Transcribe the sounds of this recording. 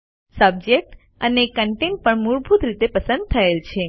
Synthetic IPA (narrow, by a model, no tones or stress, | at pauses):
səb̚d͡ʒek̚ʈ | ənekəɳʈenʈ̚pəɳmuɭbʱut̪ɾit̪epəsə̃nd̪̚t̪ʰəelt͡ʃʰe